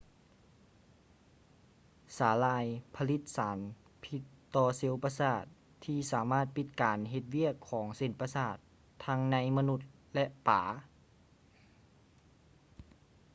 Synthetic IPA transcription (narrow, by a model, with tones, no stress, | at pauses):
saː˨˩˦laː˧jpʰa˧li˧˥t̪̚saː˩˦n | pʰi˧t̪ːɔː˧se˧˦wpaː˧saː˧˩t̪ʰːiː˧saː˩˦maː˥˩t̪̚pi˧˥t̪̚kaː˨nɦe˧t̪̚wi˥˩˨əkʰːɔː˩˦ŋse˨˧˩npa˧saː˧˥˩t̪ʰː | a˧˥ŋna˧˥jma˧nu˧˥t̪̚lɛ˧ʔpaː˩˦